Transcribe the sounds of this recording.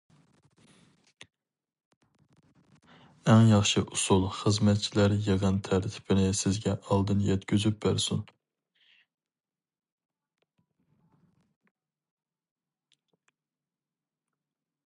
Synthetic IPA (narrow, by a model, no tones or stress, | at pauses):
ɛŋjɑχʃɨʔusulˠχəzmɛt̪̚t͡ʃʰilæɾjeʁənt̪ʰæɾt̪ʰɪ̥pɪnɪsɪzɡʲɛʔɑlˠd̪ɨnjɛt̪kʲyzyp̚bæɾsun